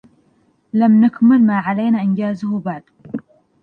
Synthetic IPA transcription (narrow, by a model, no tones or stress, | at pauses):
lamnakmɪlmaːʕalajnaːʔɪnd͡ʒaːzʊhubaʕd̪